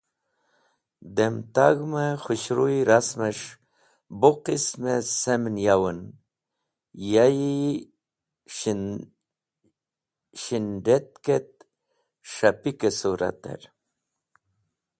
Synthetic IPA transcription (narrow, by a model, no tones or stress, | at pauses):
d̪emt̪aɡmexuɕɾuiɾasmeʂ | boqismesemnjawən | jaji | ɕinɖet̪̚ket̪̚ | ʂapikesuɾa̰t̪ḛɾ